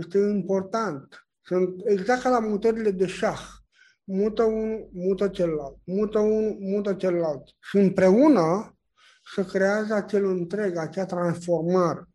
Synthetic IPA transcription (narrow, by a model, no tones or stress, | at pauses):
jest̪eimpo̞rt̪ant̪ | sunt̪eɡzak̚t̪lamut̪əɾile̞d̪e̞ʃax | mut̪əunumut̪ət͡ʃeləlalt̪̚mut̪əunumut̪ət͡ʃeləlalt̪ | ʃiɨmpɾe̞unə | səkɾe̞azəat͡ʃe̞lɨnt̪ɾe̞ɡat͡ʃeat̪ɾansfo̞rmaɾe